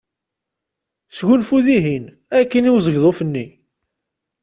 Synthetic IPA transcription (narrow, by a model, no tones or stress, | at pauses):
sʝunfuðiɦin | ækːəniwzəʝðˤofənːi